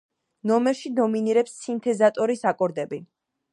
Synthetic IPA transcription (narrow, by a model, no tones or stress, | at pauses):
nɔmɛɾʃid̪ɔminiɾɛpsːint̪ʰɛzat̪ʼɔɾisakʼɔɾd̪ɛbi